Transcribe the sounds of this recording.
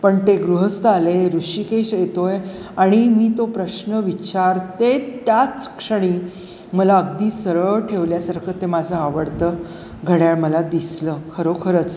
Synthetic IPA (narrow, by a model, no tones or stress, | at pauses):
pəɳt̪eɡɾuɦəst̪aleɾuʂikeiɕet̪oj | aɽ̃imiːt̪opɾəɕnəʋit͡ɕaɾt̪et̪jat͡skʂəɽ̃iː | məlaəɡd̪iːsəɾəɭʈʰeʋljasaɾkʰət̪ːemad͡zʱəaʋəɽt̪əː | ɡʱəɽjaɭməlad̪isləkʰəɾokʰəɾət͡s